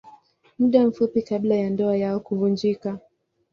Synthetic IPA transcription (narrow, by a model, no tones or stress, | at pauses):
muɗam̩fupikaɓlajandɔajaɔkuvund͡ʒika